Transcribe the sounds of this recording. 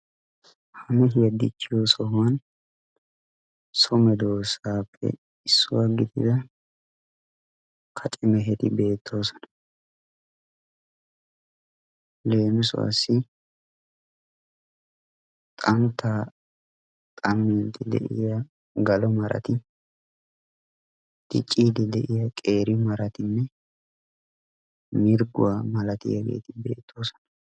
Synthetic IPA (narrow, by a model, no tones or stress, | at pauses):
hɐmɛɦɪjɐd̪ɪ̰t͡ʃːɪjoːsɔhʊwɐn | sɔmɛd̪oːsaːpʰːɛ̰ | ɪsːʊwɐɡːɪt̪ɪd̪ɐ | kʰɐt͡ʃʼɪmɛɦɛt̪ɪbe̞ːt̪ʰːo̞ːsɔ̥nɐ̥ | le̞ːmɪsʊ̰wɐ̰sːɪ | t̪ʼɐnt̪ːa | t̪ʼɐmːiːd̪ɪd̪ɛ̰ʔɪ̰jɐ | ɡɐlɔmɐɾɐ̰t̪ɪ | t̪ɪ̰t͡ʃʼːiːd̪ɪd̪ɛʔɪjɐkʼe̞ːɾɪmɐɾɐt̪ɪnːɛ | mɪɾɡʊ̰wamɐlɐt̪ɪ̰jɐɡḛːt̪ɪbe̞̰ːt̪ʰːo̞ːsɔ̥nɐ̥